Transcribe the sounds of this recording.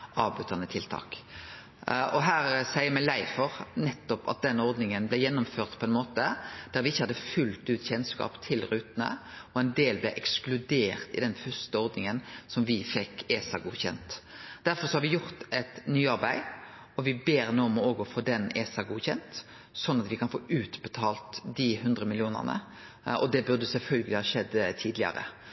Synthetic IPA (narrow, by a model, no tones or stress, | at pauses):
ɑːʋbʉt̪ɑnət̪ʰɪlt̪ʰɑ̰ːk | ɔɦæːɾsæɪəɾmæɪlæɪfɔʁnɛt̪ːɔpɑ̰t̪̚d̪ɛnːɔɾd̪nɪŋənblɛjɛnːʊmføːʁt̪pʰɔɛnmoːt̪əd̪̥æɾʋɪɪçːəhɑd̪ːəfʉlt̪ʉːt̪çɛnskɑ̰ːpt̪ʰɪlɾʉːt̪nə̰ | ɔɛnd̪eːlblɛʔɛksklʉd̪eːʁt̪ɪ̰d̪ɛnfœst̪əɔɾd̪nɪŋənsɔmʋɪfɛkːeːsɑɡuːçɛ̰nt̪d̪̥æɾfɔɾʁsɔhɑɾʋɪjʊʁt̪ɛt̪nyːɑʁbæɪ | ɔʋɪbeːɾnuːɔmɔoːɡɔfoːd̪ɛneːsɑɡuːçɛnt̪ | sɔnːɑt̪ʋɪkʰɑnfo̰ːʔʉːt̪bɛt̪ʰɑːlt̪d̪ɪɦʉnd̪ɾəmɪlɪuːnə̰ʁnə̰ | ʔɔd̪ɛbʉʁd̪əsɛlfœlɡəlɪhɑʃɛd̪ːt̪ʰiːd̪lɪɑ̰ɾə̰